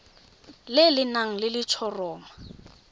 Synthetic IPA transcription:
lɪlɪnaŋ̩lɪlɪt͡ʃʰɔrɔːma

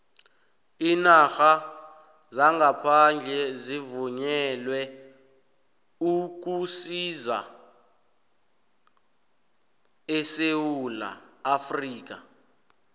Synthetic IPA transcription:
inaxa | zaŋɡapʰand͡ɮʱɛzivuɲɛlwɛ | uk̬usiza̰ | ɛsewula̰ːfriːk̬a

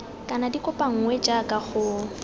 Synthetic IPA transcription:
kʼanadikʼʊpʼaŋ̩ŋwɛd͡ʒakʼaχʊ

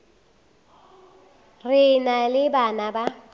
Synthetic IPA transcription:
rɪnalɪbanaba

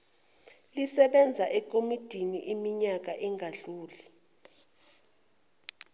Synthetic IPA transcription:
lisɛɓɛnd͡zʱaʔɛk̬ʼomid̥ʱiniʔimiɲak̬aʔɛŋʱaɮuːli

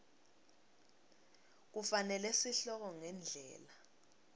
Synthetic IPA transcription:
k̬ufanɛlɛsiɬɔk̬ɔŋɛnd͡ɮʱɛ̰ːla

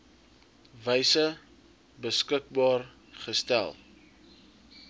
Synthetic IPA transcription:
vəjsə | bəskək̚bɑːr | χəstæ̰lˠ

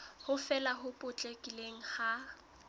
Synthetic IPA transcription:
hʊfɛlaɦʊpʼʊt͡ɬʼekʼileŋ̩ha

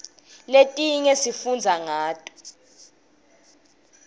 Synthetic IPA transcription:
letʼiŋɛsifund͡zʱaŋaːtʼɔ̥

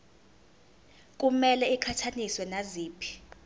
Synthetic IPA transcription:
k̬ʼumɛlɛikʰatʰaniswɛnaziːpʰi̥

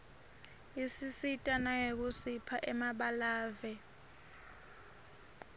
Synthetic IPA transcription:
isisitʼanajek̬usipʰaʔɛmaɓalaːvɛ

